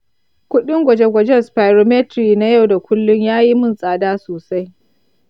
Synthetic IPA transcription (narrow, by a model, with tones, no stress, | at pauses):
kʷʊ˦ɗɪ˦ŋɡʷɐ˨d͡ʒe˦ɡʷɐ˨d͡ʒɛ˦spa˨ɾo˨˦me˦tɾiː˨na˦ja˦˨wda˨kʷʊ˦lːʊ˦ɲjaː˦ji˦mʊ˦˨nsʼaː˨daː˦soː˨sa˦j